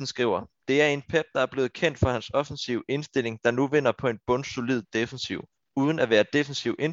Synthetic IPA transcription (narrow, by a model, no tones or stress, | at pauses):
n̩sɡ̥ʁiʊ̰ɐd̥e̝æɐe̝npʰeb̥̚d̥ɑ̈æɐb̥le̝ːð̩ˠkʰen̰d̥fɒ̈hænsɒ̽fn̩siʊe̝nsd̥e̝l̰e̝ŋd̥ɑ̈nuʋe̝n̰ɐpʰɒ̽e̝nb̥ɔ̽nso̝lið̰ˠd̥efn̩siʊ̰ | uːð̞ˠən̩æʋæːɐd̥e̝fen̩siʊʔe̝n